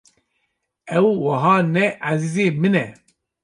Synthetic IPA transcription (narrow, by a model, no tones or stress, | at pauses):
ɛwːɐɦɑːnɛʔaziːzeːmɨnɛ